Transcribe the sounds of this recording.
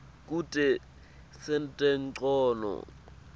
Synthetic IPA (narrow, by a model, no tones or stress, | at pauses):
k̬ʼutʼɛ | sɛntʼɛnǀɔːnɔ̰